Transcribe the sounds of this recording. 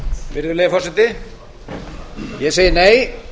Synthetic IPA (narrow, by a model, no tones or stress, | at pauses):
vɪɾðʏɾlejðafɔsɛt̪ɪ | jɛseːjɪneːj